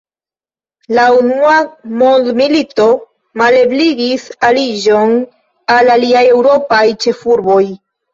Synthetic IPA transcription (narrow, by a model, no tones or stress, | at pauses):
launuamo̞nd̪milito̞ | male̞bliɡisaliʒo̞n | alaliaje̞wɾo̞pajt͡ʃe̞fuɾbo̞j